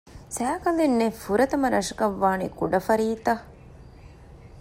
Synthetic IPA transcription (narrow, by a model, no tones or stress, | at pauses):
sæːkɐlenːefuɾɐt̪ɐmɐɾɐʂɐkɐʋːaːnḭkuɖɐfɐɾiːt̪ɐ